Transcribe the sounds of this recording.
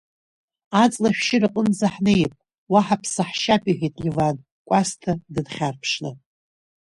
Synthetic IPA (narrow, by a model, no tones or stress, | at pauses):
at͡sʼlaʃᶣʃɪrɨqʼənzaħnejpʼ | waħapʰsaħʃapʼiħʲitʼlʲivan | kʷʼastʰadɨdχʲarpʰʂla̰